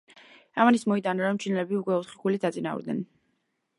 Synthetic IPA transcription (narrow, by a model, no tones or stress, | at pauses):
amanismɔid̪anaɾɔmt͡ʃʰinɛlɛbiukʼwɛɔt̪χi̥kʰulit̪ʰat̪sʼina̰ṵɾd̪nɛ̰n